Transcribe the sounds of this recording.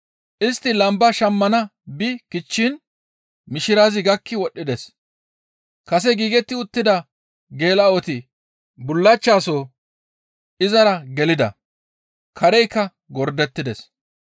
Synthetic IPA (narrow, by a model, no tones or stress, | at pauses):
ʔɪst̪ːɪlɐmbɐʃɐmːɐnɐbɪkɪt͡ʃːɪn | mɪʃɪɾaːzɪɡɐkʰːɪwɔɗːɪd̪ɛs | kɐs̬ɛɡiːɡɛt̪ːɪʊt̪ːɪd̪ɐ | ɡe̞ːlɐɔt̪ɪ | bʊlːɐt͡ʃːaːso | ɪzɐɾɐɡɛlɪd̪ɐ̰ | kʰɐɾɛjkːɐ | ɡɔɾd̪ɛt̪ːɪd̪ɛs